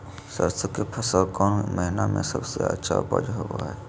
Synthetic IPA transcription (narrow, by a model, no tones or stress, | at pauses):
sə̰ɾsəkːepʰəsəlkɔːnməɦɪnamḛ̃səbseə̰tːʃʰapəd͡ʒɦoba̰ɦɛː